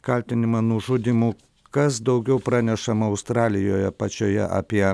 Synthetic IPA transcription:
kɐlʲt̪ʲɪnʲɪmɐnʊʒʊd̪ʲiːmu | kɐsd̪ɐʊɡʲɛʊpɾɑːnʲɛʃɐmɐʊst̪ɾɑːlʲɪjoːjɛpɐt͡ʃʲoːjɛ̰ʔɑ̰ːpʲiɛ

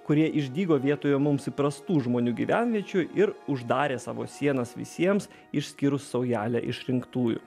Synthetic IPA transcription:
kʊɾʲiɛʔɪʒʲd̪ʲiːɡoːʋʲiɛt̪oːjoːmʊmsɪpɾɐst̪uːʒmoːnʲuːɡʲiʋʲænʲʋʲiɛt͡ʃʲʊjʔɪɾʊʒd̪ɑːɾʲeːsɑ̰ːʋo̰ːsʲiɛnɐsʋʲɪ̰sʲiɛms | ɪʃʲsʲkʲɪɾʊsːɐʊjæːlʲæ̰ʔɪ̰ʃɾʲɪŋkt̪uːjʊ̰

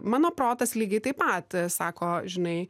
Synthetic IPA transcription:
mɑːnoːpɾoːt̪ɐslʲiːɡʲɐɪt̪ɐɪpɐt̪sɑːkoːʒʲɪnɐɪ

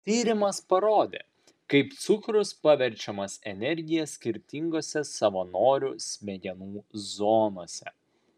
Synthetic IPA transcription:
t̪ʲiːɾʲɪmɐspɐɾoːd̪ʲḛː | kɐɪpt̪sʊkɾʊspɐʋʲɛɾʲt͡ʃʲɛmɐsɛnʲɛɾʲɡʲɪjɛsʲkʲɪɾʲt̪ʲɪŋɡoːsʲɛsɐʋɐnoːɾʲusʲmʲɛɡʲɛnuːzoːnoːsʲɛ̰

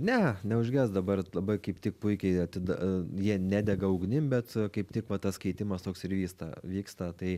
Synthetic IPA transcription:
nʲɛnʲɛʊʒʲɡʲɛsd̪ɐbɐrlˠɐbɐɪkɐɪpt̪ʲɪk̚pʊɪkʲɛɪɐt̪ʲɪd̪jiɛnʲæːd̪ʲɛɡɐɐʊɡnʲɪmbʲɛt̪kɐɪpt̪ʲɪkʋɐt̪ɐskʲɐɪt̪ʲɪmɐst̪oːksɪɾʋʲiːst̪ɐ̰ʋʲiːkst̪ɐt̪ɐɪ

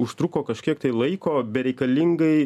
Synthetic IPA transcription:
ʊʃt̪ɾʊkoːkɐʃʲkʲiɛkt̪ɐɪlˠɐɪkoːbʲɛɾʲɛɪkɐlʲiŋɡɐɪ

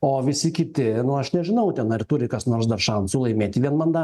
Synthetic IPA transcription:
oːʋʲɪsʲɪkʲɪt̪ʲɪnʊɐʃnʲɛʒʲɪnɐʊt̪ʲɛnɐrt̪ʊɾʲɪkɐsnoːɾsd̪ɐrʃɐnsʊlˠɐɪmʲeːt̪ʲiːʋʲiɛnmɐnd̪ɑː

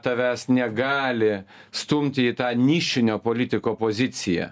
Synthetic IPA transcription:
t̪ɐʋʲæːsnʲɛɡɑːlʲɪ | st̪ʊmʲt̪ʲɪiːt̪ɑːnʲiːʃʲɪnʲoːpoːlʲɪt̪ʲɪkoːpoːzʲɪt̪sʲɪjɛ̰

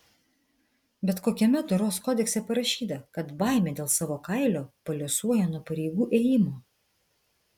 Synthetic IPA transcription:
bʲɛt̪koːkʲɛmʲɛt̪ʊɾoːskɔːd̪ʲɛksʲɛpɐɾɐʃʲiːt̪ɐkɐt̪bɑˑɪmʲeːd̪ʲeːlˠsɑːʋoːkɐˑɪlʲoːpɐlʲosuɔjɛnuɔpɐɾʲɛɪɡuːʔeːjɪmoː

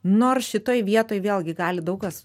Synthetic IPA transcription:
noːrsʃʲɪt̪oːjʋʲiɛt̪oːjʋʲeːlˠɡʲɪɡɑːlʲɪd̪ɐʊkɐs

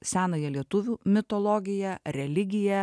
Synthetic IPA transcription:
sʲæːnɐːjɛlʲiɛt̪ʊʋʲuːmʲɪt̪oːlˠoːɡʲɪjɛɾʲɛlʲɪɡʲɪjɛ

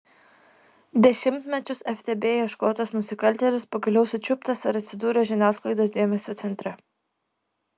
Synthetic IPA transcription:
d̪ʲɛʃʲɪmʲt̪ʲmʲɛt͡ʃʲʊsɛfʲt̪ʲeːbʲeːjɛʃkoːt̪ɐsnʊsʲɪkɐlʲt̪ʲɛlʲɪspɐɡɐlʲɛʊsʊt͡ʃʲʊpt̪ɐsɪɾɐt̪ʲsʲɪd̪uːɾʲɛʒʲɪnʲæːsklˠɐɪd̪oːsd̪ʲeːmʲɛsʲoːt̪sʲɛnʲt̪ʲɾʲɛ

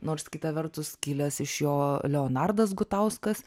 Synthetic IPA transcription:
noːɾskʲɪt̪ɐʋʲɛrt̪ʊskʲɪlʲɛsɪʃjoːlʲɛoːnɑrd̪ɐs̬ɡʊt̪ɐʊskɐs

